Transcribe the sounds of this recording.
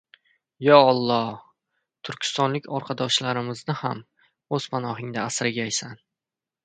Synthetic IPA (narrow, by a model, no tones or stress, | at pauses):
jɒɒlˠːɒh | t̪ʰʊɾkʲɪ̥st̪ɒnlɪkʲʰɒɾqʰɑd̪ɒʃlaɾɪmɪznɪham | oz̥pʰanɒɦɪŋd̪aːsɾɪɡʲaːjsan